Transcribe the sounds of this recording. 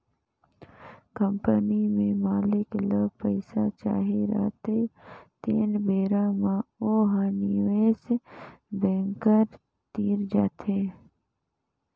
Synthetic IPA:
kəmpənimẽmaːlɪkləbpəɪsat͡ʃa̰ːɦeɾə̰ːt̪et̪eːnbeːɾamãoːɦaniʋeːs | bɛ̃ːŋkəɾ | t̪iːɾd͡ʒaːt̪ʰeː

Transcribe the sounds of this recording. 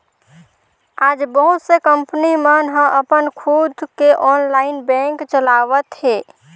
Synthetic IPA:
ad͡ʒbəɦut̪sekəmpnimənɦə̃ʔəpənkʰud̪keʔɔnlaɪnbɛ̃ŋkt͡ʃəlaʋət̪ɦe

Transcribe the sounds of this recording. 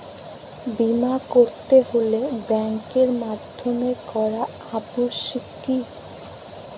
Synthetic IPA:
bimakoɾt̪eɦolebɛŋkeɾmad̪ʱːomekɔɾa | apuʃikː | i

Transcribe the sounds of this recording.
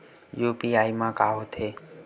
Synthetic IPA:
jupiːaːjmãːkaːɦot̪ʰe

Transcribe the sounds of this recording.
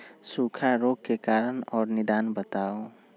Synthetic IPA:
sukʰaɾoɡ̚kekaɾənɔːɾnɪd̪aːnbət̪ao

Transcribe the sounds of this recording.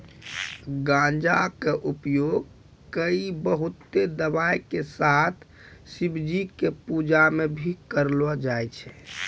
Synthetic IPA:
ɡãnd͡ʒakeʔupjoɡ | kəibəɦut̪ːed̪əbajkesat̪ʰ | sibd͡ʒikepud͡ʒamebʱikəɾlɔd͡ʒajt͡ʃʰɛ

